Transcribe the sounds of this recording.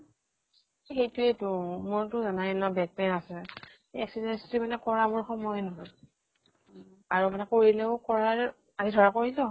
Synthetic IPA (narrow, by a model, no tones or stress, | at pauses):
xejtʊɛtʊmʊɹtʊzanajlɔbɛk̚tɛɹasɛ | eɛksidɛnstɹimanɛkɔɹamʊɹxɔmɔjnɔɦɔj | aɹumanɛkoɹilɛʊkɔɹaɹ | azidʱɔɹakoɹilɔ